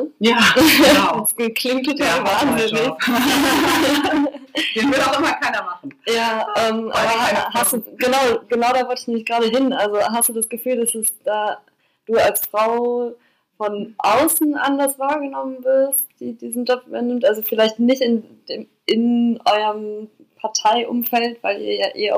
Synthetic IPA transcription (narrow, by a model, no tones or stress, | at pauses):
ja | skʰl̥ɪŋk̚tʰːotʰaːlvaːnzenɪ | ivɪaɪmɐkʰaɪnɐmaχn̩jaːʔɛːmʔa̰ːbɐɦastd̥uːɡənaʊɡ̥ənaʊɾaːvɔltɪçnɛmɪçɡ̥ʁaːɾəɦɪnʔalzoɦastd̥uːdasɡ̥əfyːldasɛsd̥aː | d̥uːalsfʁ̥aʊ | fɔnʔaʊsn̩ʔandɐsv̥aːɐɡənɔmənvɪɐst̚d̥iːdiːzn̩d͡ʒɔpvy̰bɐnɪmtʔalzofɪlaɪçtnɪçtɪnd̥eːm | ɪnʔɔʏɐm | pʰaɐtʰaɪʔʊ̰mfɛltv̥aɪlḭːɐjaːʔḛːɐ